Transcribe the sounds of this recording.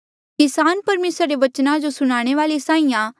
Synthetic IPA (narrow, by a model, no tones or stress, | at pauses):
kɪsaːnpɐɾmeːsɾːeʋɐt͡ʃnãd͡ʒosʊñaːɽ̃eʋaːlesaːĩjã